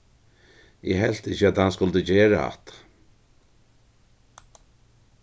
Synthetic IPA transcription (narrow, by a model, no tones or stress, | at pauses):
ɛ̰ɦɛl̥t̪ɪçəæt̪hanskʊlt̪ət͡ɕeːɹaa̰t̪